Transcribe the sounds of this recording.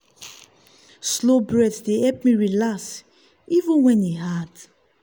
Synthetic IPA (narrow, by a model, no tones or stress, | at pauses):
slobɹɛdsdeɛp̚mĩɹilas | ivũnwɛ̃neɦat